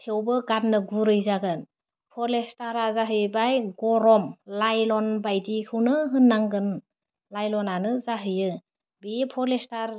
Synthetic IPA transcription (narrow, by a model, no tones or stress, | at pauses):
tʰewbɯɡatnɯɡuɾɯjzaɡɯn | pʰɔlestaɾazaɦɯjbajɡɔɾɔmlajlɔnbajdikʰɯwnɯɦɯnːaŋɡɯn | lajlɔnanɯzaɦɯjɯ | bepʰɔlestaɾ